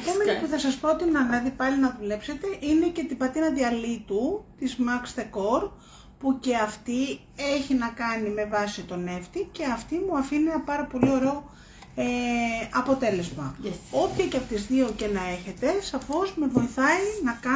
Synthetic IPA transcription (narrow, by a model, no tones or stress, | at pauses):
kemɐipuθɐsɐspɾo̞t̪inɐnɐðipɐlinɐðule̞pse̞t̪e̞ʔine̞cet̪ibɐt̪inɐðiɐlit̪ut̪izmɐkst̪eko̞ɾ | puce̞ɐft̪i | e̞çinɐkɐnime̞vɐsit̪o̞ne̞ft̪ice̞ɐft̪imuɐfinienɐpɐɾɐpo̞lio̞ɾe̞o | eɐpo̞t̪e̞le̞zmɐ̰o̞pçɐceɐpot̪izðio̞ce̞nɐe̞çe̞t̪e̞sɐfo̞zmevo̞iθɐinɐkɐ